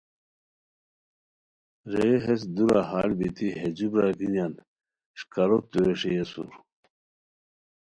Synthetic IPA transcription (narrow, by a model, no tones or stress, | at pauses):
ɾeːɦes̬d̪uɾahaːlbit̪iɦed͡ʑibɾaɡinan | ɕkɐɾot̪ueʂejesṵɾ